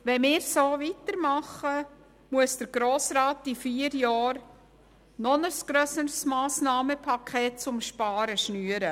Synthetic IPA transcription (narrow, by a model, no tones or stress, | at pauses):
ʋɛnmɪːɾsoːʋit̪əɾmɑχə | muəsd̥əɾɡɾoːsɾɑːtifiːəɾjɑːɾ | nɔnəsɡ̥ɾœsəɾsmɑːsnɑːməpʰɑkʰeːt̚t͡sʊmʃpɑːɾəʃnyːəɾə